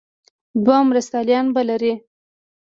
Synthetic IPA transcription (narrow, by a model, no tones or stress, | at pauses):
d̪wɑmɾast̪ɑljɑnbalaɾi